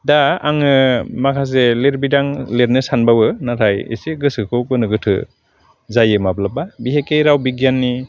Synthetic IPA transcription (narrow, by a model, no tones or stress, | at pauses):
daaŋɯmakʰaz̬eleɾbidaŋleɾnɯsanbawɯnatʰajḭseɡɯsɯkʰɯwkɯnɯɡɯtʰɯ̰ | zajɯmablapabiɦekejɾawbiɡjanːi